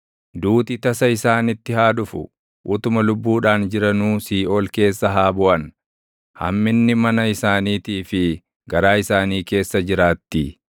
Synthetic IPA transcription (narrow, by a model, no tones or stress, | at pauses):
d̪uːt̪ɪt̪ɐsɐɪsaːnɪt̪ːɪhaːd̪ʊfʊ̰ | ʔʊt̪ʊmɐlʊbːuːᶑaːnd͡ʒɪɾɐnuːsiːʔo̞ːlke̞ːsːɐɦaːbʊʔɐn | hɐ̰mːɪnːɪmɐnɐɪsaːniːt̪iːfɪ | ɡɐɾaːɪsaːniːke̞ːsːɐd͡ʒɪɾaːt̪ːi